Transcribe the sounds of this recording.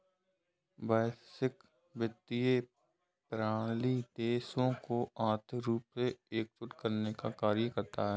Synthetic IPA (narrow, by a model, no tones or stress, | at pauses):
beːsɪk | bət̪ie | pɾaːɽ̃lid̪eːsõkoãːt̪ʰɾuːpseeːk̚t̪ʊʈ̪kɐɾnekakaːɾijəkɐɾt̪aɦɛː